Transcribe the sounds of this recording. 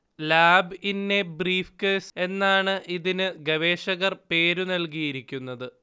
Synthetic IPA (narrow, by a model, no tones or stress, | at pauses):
laːbinːe̞briːfkese̞nːaːɳɨʔiðinɨɡɐʋe̞ːʂɐɣɐrpe̞ːɾunɐlkijiɾikʲːunːɐðɨ